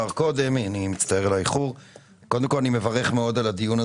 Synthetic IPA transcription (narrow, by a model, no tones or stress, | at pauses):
aʁko̞d̪e̞manimit͡st̪ae̞ʁelaiχuʁ | kod̪emkolanime̞vaʁeχmeo̞d̪alad̪ijuna